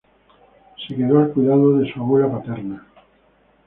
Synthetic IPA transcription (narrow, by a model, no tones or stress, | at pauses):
sekeðoalkwujðaðoðesuaβolapat̪eɾna